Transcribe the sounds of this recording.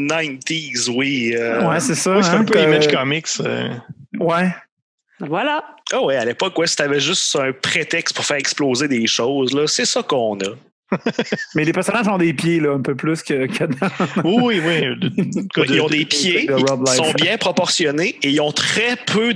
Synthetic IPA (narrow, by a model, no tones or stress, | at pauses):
najnt̪izwiəwɛsesʌwist̪ɛ̃pøimaʒkʌmɪksə̰wɛ | vwalaɔwɛalepɔkwɛsi̥t̪avɛʒʏst̪œ̃pχet̪ɛkst̪̚pʊʁfæːʁɛksploːzed̪eʃɔowzlʌsɛsʌkɔ̃nɔ | mɛlepɛʁsɔnaʒɔ̃d̪epjelʌɛ̃pøplyskʲəkʰʲad̪ãwiwiwi | iɔ̃d̪epjed̪əiɹɔblasɔ̃bjjɛ̃pχɔpɔʁsjɔneeilɔ̃t̪χɛpʰø